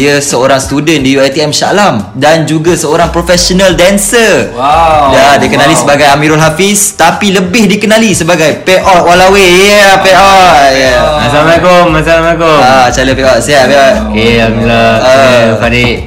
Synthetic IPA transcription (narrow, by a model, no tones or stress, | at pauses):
iəsəoɾaŋsət̪udəndijuat̪iɛmsa̰ʔlamdand͡ʒuɡasəoɾaŋpɾofɛsonəldɛnsə | dadikənalisəbaɡajamĩɾɔlɦafist̪apiləbɪhdikənãlisəbaɡajpeʔɔt̪̚walawejəpeʔɔtjəmasamakomas̬almɛkoat͡ʃaləpeʔɔʔsiaʔpeɔtkeamilaəpadiʔ